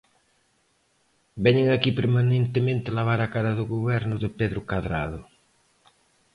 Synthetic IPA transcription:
bɛɲeŋakipeɾmanẽnt̪ɪmẽnt̪ɪlaβ̞aɾakaɾɐðʊɣoβɛɾnʊðɪpeðɾʊkaðɾa̰ðʊ

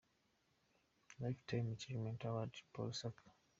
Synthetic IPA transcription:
lajftʰajmat͡ʃivmɛ̃ntawadpʰɔ̰lsak

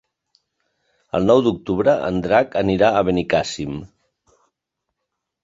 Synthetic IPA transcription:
ə̰lˠnɔwd̪uk̚t̪uβɾəʔə̰nd̪ɾakəniɾaəβənikasim

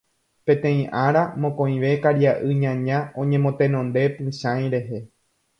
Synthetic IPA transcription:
pẽ̞t̪ẽ̞ĩʔaɾamõ̞kõ̞ĩʋe̞kaɾjaʔɨɲãɲãõ̞ɲẽmõ̞t̪ẽ̞nõ̞nd̪e̞pɨ̃ʃãj̃ɾe̞ɦe̞

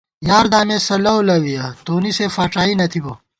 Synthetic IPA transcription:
jaːɾd̪aːmeːsɐlɐwlɐwijɐt̪oːnisefaːʈ͡ʂaːinɐt̪ʰibo

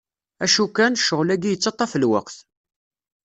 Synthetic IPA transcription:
æʃukːænʃəʁlæɡijət͡sːɑt̪ˤːɑfəlwə̰qθ

